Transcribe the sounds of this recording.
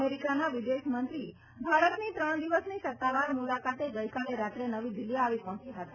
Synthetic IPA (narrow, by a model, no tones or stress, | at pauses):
eɾikanaʋid̪eʃmənt̪ɾi | bʱaɾət̪nit̪ɾəɳ̃d̪iʋəsnisət̪ːaʋaɾmulakat̪eɡəjkaleɾat̪ɾenəʋid̪ɪlːijaːʋipɔɦɔ̃t͡ʃiɦət̪ḁ